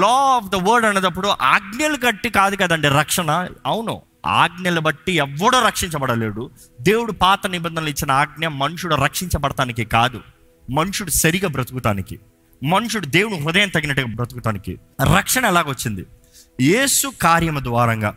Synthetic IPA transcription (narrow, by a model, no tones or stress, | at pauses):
lɔːɔːpʰd̪ɐʋɐɾɖɐneːd̪ɐpːuɽuʔaːɡɳjɐlukɐʈːikaːd̪ukɐd̪ɐɳɖeːɾɐkʂɐɳɐɐwuno̰ | a̰ːɡnjɐlubɐʈːiɛʋːɐɽoːɾɐkʂiɲt͡ʃɐbɐɽɐle̞ːɽu | d̪e̞ːwuɽupaːt̪ɐnibɐnd̪ɐnɐlit͡ʃːinɐaːɡ̚njɐmːɐnuʂuɽuɾɐkʂiɲt͡ʃɐbɐɽɐt̪aːnikikaːd̪u | mɐnuʂuɽusɐɾiɡɐbɾɐt̪uɡut̪aːniki | mɐnuʂuɽud̪e̞ːwunuɾud̪ɐjɐmt̪ɐɡinɐʈːuɡabɾɐt̪uɡut̪aːnikḭ | ɾɐkʂɐɳɐɛlaːkʋɐt͡ʃːind̪i | je̞ːsukaːɾjɐmɐd̪ʋaːɾɐŋɡa̰ː